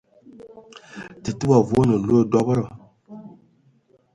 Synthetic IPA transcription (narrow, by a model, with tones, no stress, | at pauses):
tɨ˨tu˦ba˨vu˦nə˨lo˦dɔ˦bə˦ɾə˨